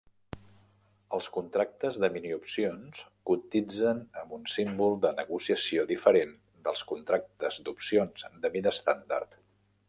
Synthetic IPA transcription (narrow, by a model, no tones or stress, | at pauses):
əlˠskunt̪ɾak̚t̪əzðəminiupsionskut̪id͡zənəmbunsimbulˠd̪ənəɣusiəsioðifəɾen | d̪əlˠskunt̪ɾak̚t̪əzd̪upsionzd̪əmiðəst̪and̪a̰ɾt̪